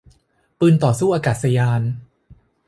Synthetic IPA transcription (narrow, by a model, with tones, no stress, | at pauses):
pɯː˧nt̪ɔː˨˩suː˥˩ʔaː˧kaː˨˩t̪̚sa˧jaː˧n